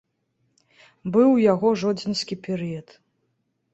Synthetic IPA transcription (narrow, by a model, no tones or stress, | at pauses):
bɨwjaɣɔʐɔd͡zʲinʲsʲkʲipʲɛɾɨjɐt̪